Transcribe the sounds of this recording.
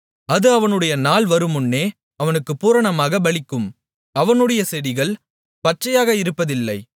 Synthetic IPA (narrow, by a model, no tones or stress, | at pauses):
ɐðɯɐʋɐnɯɽɐjɐnaːlʋɐɾɯmʊnːeː | ɐʋɐnɯkːɯpuːɾɐɳɐmaːɣɐbɐɭɪkːɯm | ɐʋɐnɯɽɐjɐsɛðɪɣɐɭ | pɐʈ̚t͡ʃːɐjaːɣɐɪɾɯpːɐðɪlːɐɪ